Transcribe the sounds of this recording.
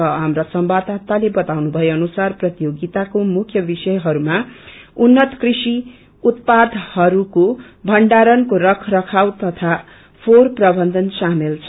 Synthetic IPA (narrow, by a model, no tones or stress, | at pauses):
ʌɦamrasʌmbad̪at̪alebʌt̪awnubʱʌeʌnusarprʌt̪joɡit̪akomukʰjʌbisʌjɦʌɾumaunːʌt̪krisi | ut̪pad̪ʱhʌɾuko | bʱʌɳɖaɾʌnkorʌkʰrʌkʰawt̪ʌt̪ʰa | pʰorprʌbʌnd̪ʱʌnsamelt͡sʰʌ